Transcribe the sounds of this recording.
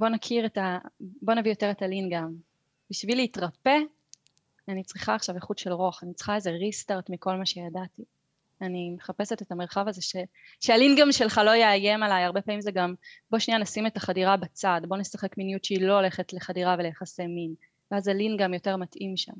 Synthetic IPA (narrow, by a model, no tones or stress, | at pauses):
bo̞nakʰiʁetabo̞navijo̞te̞ʁetalinɡam | b̥iʃvileitʁape̞ | anit͡sʁiχaːχʃaveχudʃelʁoaχanit͡sχaezeʁistaʁtmiko̞lmaʃe̞jadati | animeχape̞setetameʁχavazeʃe | ʃealinɡamʃelχalo̞jeajemalajaʁbe̞paːmimzeɡambo̞ʃnijanasimetaχadiʁabat͡sadbo̞ne̞saχe̞kminijutʃeilo̞ole̞χetle̞χadiʁavelejaχasemin | veazalinɡamjo̞te̞ʁmatʔimʃa̰m